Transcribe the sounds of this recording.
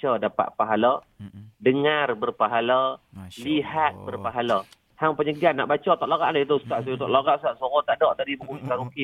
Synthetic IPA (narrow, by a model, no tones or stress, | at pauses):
t͡ʃədapa̰ʔ̚paɦalə | dəŋarbərpaɦaləliɦat̪̚bərpaɦala | haŋpəɲəɡanːa̰ʔbat͡ʃət̪ɔʔlaɣa̰ʔlait̪əsə̥t̪aʔsut̪ɔʔlaɣaʔst̪aʔsɔɣɔt̪aʔdɔʔdaɾibukuʔit̪aɾukɪ